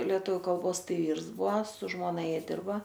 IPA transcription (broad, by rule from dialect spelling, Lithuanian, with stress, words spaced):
lʲiɛˈtʊʋʲʊ kɐlˠˈboːsˈtɐɪ ˈʋʲiːrs ˈbʊɐ sʊ ˈʒmoːnɐ ˈjiɛ ˈdʲɪrbɐ